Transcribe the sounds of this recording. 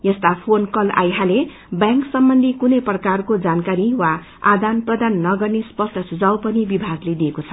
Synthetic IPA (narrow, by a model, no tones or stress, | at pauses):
jʌst̪apʰonkʌla̰jɦale | bjãŋksʌmbʌnd̪ʱikunʌjprʌkarkod͡zankaɾiwa | ad̪anprʌd̪anːʌɡʌrnespʌsʈʰʌsud͡zawpʌnibibʱaɡled̪iekot͡sʰʌ